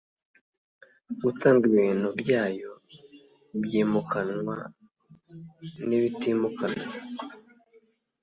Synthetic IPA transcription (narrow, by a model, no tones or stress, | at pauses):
ɡutaːŋɡiβiːn̥hubjaːjo̞ | bjiːmukʰanwa̰ | niβitimukanwa